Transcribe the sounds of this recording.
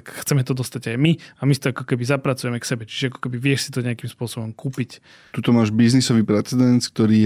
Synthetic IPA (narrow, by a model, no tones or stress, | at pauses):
kxt͡sɛmɛt̪ɔd̪ɔst̪aɟajmiamist̪ɔakɔkɛbizapɾat͡sujɛmɛksɛbɛt͡ʃi̥ʒɛakɔ̥kɛbiʋɪɛʃsit̪ɔɲɛakimspʊɔsɔbɔmkuːpic | t̪ut̪ɔmaːʒbiznisɔʋiːpɾɛt͡sɛd̪ɛnt̪k̚t̪ɔɾiː